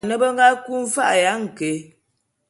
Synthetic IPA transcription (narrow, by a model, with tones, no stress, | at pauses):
nə˦bə˦ŋ˦ɡa˦ku˦ɱ̩˦fa̰˦ʔja˨˦ŋ̩˨ke˨